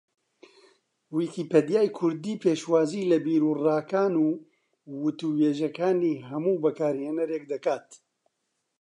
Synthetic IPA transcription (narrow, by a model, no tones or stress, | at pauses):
wikiːped̪jaːjkʰʊɾd̪iːpʰeːʃwaːziːlɐbiːɾuːraːkaːnuː | wʊt̪uweːʒɐkaːniːɦɐmuːbɐkaːɾheːnɛɾeːk̚d̪ɐkaːt̪